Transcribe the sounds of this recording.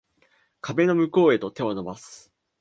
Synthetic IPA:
kʰabe̞no̞mɯ̟ko̞ːe̞t̪o̞t̪e̞βano̞basɨ̥

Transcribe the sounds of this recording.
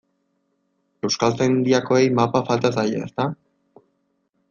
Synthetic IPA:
e̞wskalt͡s̪end̪iako̞e̞jmapafalt̪asaja̰est̪a

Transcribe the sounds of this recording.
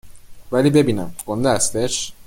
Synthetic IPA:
væliːbe̞biːnæ̰mkʰond̪eæst̪eʃ

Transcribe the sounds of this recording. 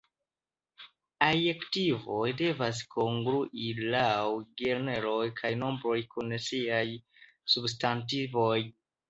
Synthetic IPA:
ajektivo̞jde̞vas̬kʰo̞ŋɡɾuʔilawɡeɾne̞ɾo̞jkʰajno̞mbɾo̞jkunsiaj | substantivo̞j

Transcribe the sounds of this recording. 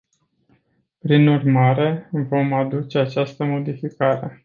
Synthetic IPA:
pɾinurmaɾe̞vo̞mad̪ut͡ʃe̞at͡ʃast̪əmo̞d̪ifikaɾe̞

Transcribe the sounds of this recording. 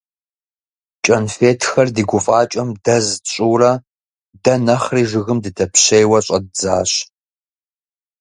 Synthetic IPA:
t͡ʃʼɐnfeːtʰxɐrdiːɡʷʊfʼaːt͡ʃʼɐmdɐzɕʼuːrɐ | dɐnɐχriːʒɨɣɨmdɨtʰɐpʰɕejwɐɕʼɐd̚zaːɕ

